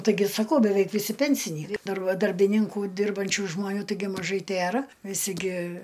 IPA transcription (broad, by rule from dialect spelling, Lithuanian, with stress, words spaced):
tɐɪˈɡʲɪ sɐˈkɐʊ bʲɛˈʋʲɛɪk ʋʲɪˈsʲɪ pʲɛnʲsʲɪˈnʲiː ˈdɐr ˈʋɐ dɐrʲbʲɪˈnʲɪŋkʊ ˈdʲɪrbɐnʲt͡ʃʲʊ ʒmoːˈnʲuː tɐɪˈɡʲɪ mɐˈʒɐɪ ˈtʲeːrɐ ʋʲɪˈsʲɪ ɡʲɪ